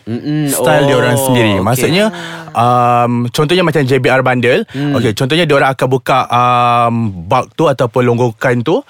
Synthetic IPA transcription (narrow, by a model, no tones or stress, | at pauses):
st̪aldioɾaŋsəndiɾimãsuʔɲaʔəmt͡ʃɔnt̪ɔhɲamat͡ʃamd͡ʒebiarbandəloket͡ʃɔnt̪ɔhɲadioɾaŋakanbukaʔəmbak̚t̪uat̪awpʊnloŋɡokant̪u